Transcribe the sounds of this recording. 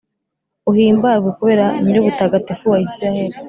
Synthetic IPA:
uhiːmbaɾɡwekuβe̞ːɾaɲiɾeβutaɡatefuwaisiɾahe̞ɾi

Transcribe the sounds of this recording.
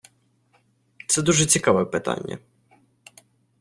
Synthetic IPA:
t̪sɛd̪uʐɛt͡sʲikaʋɛpɪt̪a̰nʲːɐ̰

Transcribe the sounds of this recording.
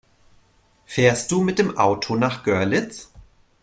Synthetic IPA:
fɛːɐst̚d̥uːmɪt̚d̥eːmʔaʊtʰonaːχɡ̥œɐlɪt͡s

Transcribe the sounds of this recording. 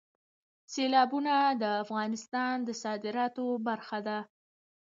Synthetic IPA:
selɑbunad̪əafɣɑnɪst̪ɑnd̪əsɑd̪ɪɾɑt̪obaɾxad̪a

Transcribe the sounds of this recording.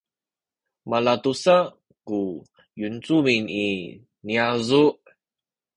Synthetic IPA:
malatusa | ku | junt͡sumini | niazuʔ

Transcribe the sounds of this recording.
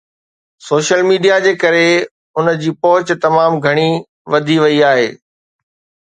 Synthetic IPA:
soːʃəlmiːɖijad͡ʑeːkɐɾe | ʊnd͡ʑiːpɔɦʊt͡ɕt̪ɐmaːmɡʱɐɽ̃i | ʋɐd̪ʱiʋɐiaːɦḛː

